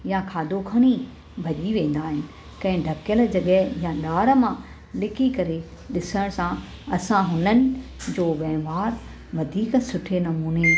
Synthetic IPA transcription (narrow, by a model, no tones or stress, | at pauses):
jãkʰaːd̪ʱokʰɐɽ̃i | bʱɐʄiʋẽːn̆d̪aːɦɪnɪ̆ | kɐ̃ɦɪ̃ɖʱɐkjəl̆d͡ʑɐɠɛɦjãɗaːɾə̆mã | lɪkʰikɐɾe | ɗɪsəɽ̃sã | ɐsãɦʊnənɪ̆d͡ʑoːʋɛːmaːɾ | ʋɐd̪ʱiːksʊʈʰenɐmuːne